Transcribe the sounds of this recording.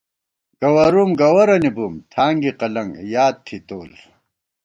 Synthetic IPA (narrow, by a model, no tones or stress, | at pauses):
ɡ̥ɐwɐɾumɡɐwɐɾɐnibumt̪ʰaːŋɡiqɐlɐŋɡjaːt̪̚t̪ʰːit̪oːl